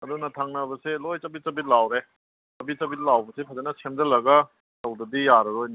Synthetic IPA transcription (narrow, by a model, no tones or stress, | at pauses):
ɐdunɐtʰaŋnɐbɐselojt͡ʃɐbit͡ʃɐbit̚lawɾe | sɐbit͡ʃɐbit̚lawbɐsepʰazenɐsemdɐlɐɡɐ | tɐwdɐdijaɾɐɾojna